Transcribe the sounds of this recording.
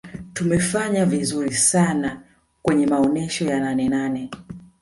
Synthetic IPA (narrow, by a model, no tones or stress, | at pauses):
tumɛfaɲavizuɾisana | kwɛɲɛmaɔnɛʃɔjananɛnanɛ